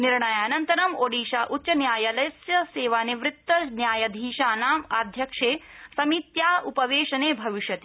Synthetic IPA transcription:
niɾɳɐjaːnɐnt̪ɐɾɐmoːɽiːʃaːʔutːɕɐnjaːjɐlɐjsjɐseːʋaːniʋɾɪt̪ːɐnjaːjɐd̪ʱiːʃaːnaːma̰ːd̪ʱjɐkʂeːsɐmiːt̪jaːupɐʋeːʃɐneːbʱɐʋiʃjɐt̪i

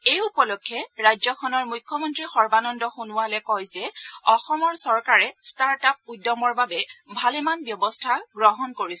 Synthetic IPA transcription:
ejupɔlɔkʰːɛɹajzɔkʰɔnɔɹmujkʰːɔmɔntɹixɔɹbanɔndɔxunʊwalɛkɔjzɛɔxɔmɔɹsɔɹkaɹɛstaɹtap̚udːɔmɔɹbabɛbʱalɛmanbjɔbɔstʰaɡɹɔɦɔnkoɹisɛ

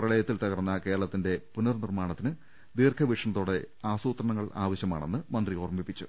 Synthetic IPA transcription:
prɐɭɐjɐt̪ːilt̪ɐɣɐrnːɐke̞ːɾrɐɭɐt̪ːinde̞punːɐrnirmaːɳɐt̪ːinɨ | d̪iːrkʰɐʋiʂɐɳɐt̪ːoːɽe̞ | aːsuːt̪rɐɳɐŋːɐɭa̰ːʋɐɕjɐma̰ːɳe̞nːɨmɐnd̪riorɐmbipːit͡ɕːu

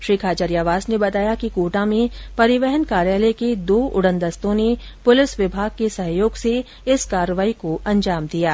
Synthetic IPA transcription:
ʃɾiːkʰaːt͡ʃəɾjaːʋaːsnebɐt̪aːjakikoːʈãmẽpɐɾɪʋɛɦənkaːɾjaːlɛked̪oːʔʊɽə̃nd̪əst̪õnepʊlɪsʋɪbʱaːɡ̚kesɐɦjoːɡse | ɪskaːɾəʋaːikoʔɐ̃ɲd͡ʒaːmd̪ijaː

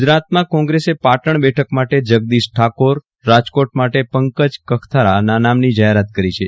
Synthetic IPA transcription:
d͡ʒɾat̪mãkɔ̃ŋɡɾesepaʈəɳbɛʈʰəkmaʈed͡ʒəɡ̚d̪isʈʰakoɾː | ad͡ʒkoʈ̚maʈepəŋkəd͡ʒkəkʰt̪ʰaɾananamnid͡ʒaɦeɾat̪kəɾit͡ʃʰe

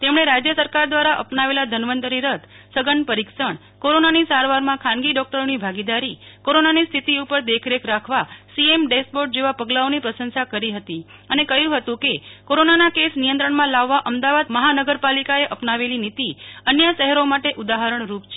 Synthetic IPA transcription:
t̪emɳ̃eɾad͡ʒjəsəɾkaɾd̪ʋaɾaʔə̰pnaʋelad̪ʱənʋənt̪əɾiɾət̪ | səɡəɳpəɾiksəɳ | koɾonanisaɾʋaɾmãkʰãnɡiɖɔk̚ʈəɾonibʱaɡid̪aɾikoɾonanist̪ʰit̪iupəɾd̪ekʰɾekʰɾakʰʋasiemɖespoʈ̚d͡ʒeʋapəɡlaonipɾəsənsakəɾiɦət̪i | ənekəjũɦət̪ũkekoɾonanakesnijə̃nt̪ɾəɳmãlaʋːaʔəmd̪aʋad̪məɦanəɡəɾpalikaeʔəpnaʋelinit̪iənjəʃəɦɛɾomaʈeʔud̪aɦəɾəɳɾupt͡ʃʰe

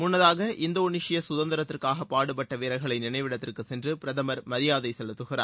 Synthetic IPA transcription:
mʊnːɐðaːɣɐʔʔɪnd̪ɐʊnɪʂɪjɐsʊðɐnd̪ɪɾɐt̪ːɪrkaːɣɐpːaːɽɯpɐʈːɐʋeːɾɐɪɣɐɭɐɪnɪnɐɪʋɪɽɐt̪ːɪrkɯsɛndrɯppɪɾɐðɐmɐɾmɐɾɪjaːðɐɪsɛlɯt̪ːɯɣɪra̰ː

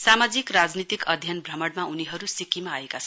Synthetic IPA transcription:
samad͡zikrad͡znit̪ikʌd̪ʱjʌnbrʌmʌɽmauniɦʌɾusikimaːekat͡sʰʌn

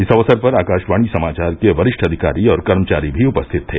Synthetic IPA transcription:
ɪsɐʋəsəɾpɐɾaːkaːʃʋaːɽ̃isɐmaːt͡ʃaːɾkeʋɐɾɪʃʈʰɐd̪ʱɪka̰ːɾiɔːɾkɐɾmət͡ʃaːɾibʱiʊpəst̪ʰɪt̪ʰːḛː

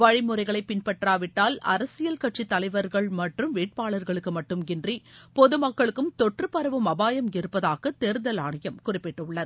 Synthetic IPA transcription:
ʋɐɻɪmɯrɐɪɣɐɭɐɪpːɪnpɐʈraːʋɪʈːaːlɐ̰ɾɐsɪjɐlkɐʈ̚t͡ʃit̪ːɐlɐɪʋɐɾɣɐɭmɐʈrɯmʋiːʈ̚paːɭɐɾɣɐɭɯkːɯmɐʈːɯmɡɪndripɔðɯmɐkːɐɭɯkːɯmt̪ɔʈrɯpɐɾɐʋɯmɐbaːjɐmɪɾɯpːɐðaːɣɐt̪eːɾðɐlaːɳɐjɐmkʊrɪpːɪʈːɯɭːɐð

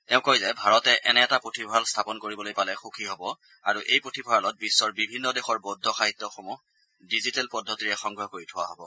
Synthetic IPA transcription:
tɛʊ̃kojzɛbʱaɹɔtɛʔɛnɛɛtapɹotʰibʱɔalstʰapɔnkoɹibɔlojpalɛxukʰiɦobɔ | aɹuʔejpɹotʰibʱaɹalɔt̚bisːɔɹbibʱinːɔdexɔɹbodʱːɔxaɦitːɔxɔmu | dizitɛlpɔdʱːɔtiɹɛxɔŋɡɹɔkoɹitʰʊwa̰ɦobɔ̰

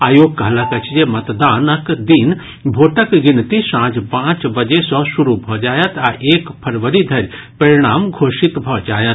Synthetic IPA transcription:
aːjoːɡ̚kɐɦlɐkɐt͡ʃʰijemɐt̪d̪aːnɐkd̪iːn | bʱoːʈəkɡɪnt̪isãːd͡ʒpãːt͡ʃbɐd͡ʒesɔ̃suɾubʱɔːd͡ʒaːjɐt̪aːʔeːkpʰɐɾʋəɾid̪ʱɐɾʲ | pɐɾiɽ̃aːmɡʱoːʃit̪bʱɔːd͡ʒaːjɐt̪

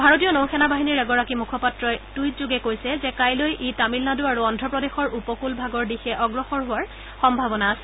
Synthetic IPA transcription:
bʱaɹotijɔnowxʰɛnabaɦiniɹɛɡɔɹakimukʰɔpatɹɔɛtujtzuɡɛkojsɛzɛkajlojʔetamilnaduaɹuɔndʱɹɔpɹɔdexɔɹʔupɔkulbʱaɡɔɹdixɛʔɔɡɹɔxɔɹɦʊwaɹ | xɔmbʱabɔnaːsɛ̥

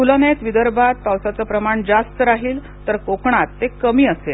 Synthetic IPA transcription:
ulənet̪ʋid̪əɾbat̪̚pawsat͡səpɾəmaɳd͡zast̪əɾaɦiːl | t̪əɾkokɳat̪ːekəmiːəsel

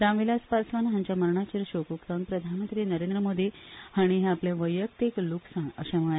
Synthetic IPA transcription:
ɾamʋilaspasʋanɦãɲt͡ɕaməɾɳat͡ɕiɾɕokukt̪əŋpɾəd̪ʱanmənt̪ɾiːnəɾend̪ɾəmod̪ʱihaɽ̃iɦɛ̃apleʋəjːəkt̪ekluksãŋə̰ɕãməɭa

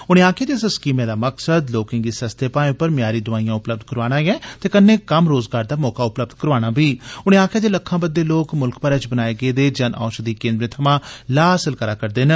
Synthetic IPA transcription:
ʊñẽːaːkʰjaːd͡ʒ̪eːsəskiːmẽːd̪aːməksəd̪loːkɪ̃ŋɡiːsəst̪ʰeːpaːẽʊpːəɾmjaːɾiːd̪ʊʋaːĩjãːʊpləb̚d̪̚kəɾʋaːɽ̃ãːjɛ̃ːt̪eːkənːeːkəmɾoːzɡaːɾd̪aːmɔːkaːʊpləb̚d̪kəɾʋaːɽ̃aːbiːʊñẽːãːkʰjaːd͡ʒ̪eːləkʰːãːbəd̪ːeːloːkmʊlkpəɾɛːt͡ʃbənaːeːɡeːd̪eːd͡ʒənʔã̰ːʃd̪iːkẽːnd̪ɾeːt̪ʰəmãːlaːsəlkəɾaːkəɾd̪eːn

